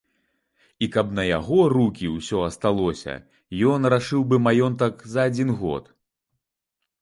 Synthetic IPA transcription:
ikɐpnɐja̰ɣɔrukʲiwsʲɔɐst̪alˠɔsʲɐ̰ | jɔnraʂɨwbɨmajɔnt̪ɐkzɐːd͡zʲinɣɔ̰t̪

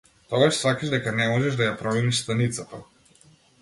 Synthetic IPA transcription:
t̪ɔɡaʃsakaʒd̪ɛkanɛmɔʒɛʒd̪ajapɾɔmɛniʃst̪anit̪sat̪a

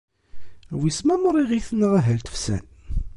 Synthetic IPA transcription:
wismæməɾˤiʁiθənːəʁæɦælt̪ə̥fsæ̰n

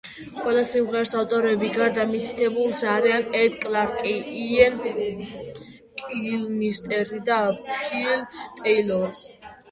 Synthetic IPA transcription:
qʼwɛlasimʁɛɾsaft̪ʼɔɾɛbiɡaɾd̪amit̪ʰi̥t̪ʰɛbulˠsaɾianɛd̪kʼlaɾkʼiiɛn | kʼilmist̪ʼɛɾid̪apʰilt̪ʼɛjlɔɾi

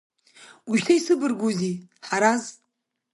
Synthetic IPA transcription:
uʒtʰaisɨbɨrɡʷuziħaɾaz

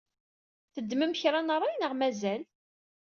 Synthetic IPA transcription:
θəd̪ːməmçɾˤanərˤːɑjnəʁmæzæl

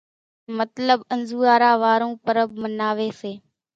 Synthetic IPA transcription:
mət̪ləbənzuːaːɾaːʋaːɾõːpəɾəbmənaːʋeːseː

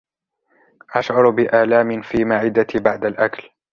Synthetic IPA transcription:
ʔaʃʕʊɾbɪʔaːlaːmɪnfiːmaʕɪd̪at̪ibaʕd̪alʔakl

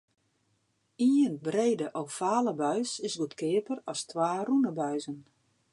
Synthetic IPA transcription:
iːənbreːdəʔoffaːləbœɥsɪsɡutkʰɪːəpərɔstʋaːrunəbœɥzən

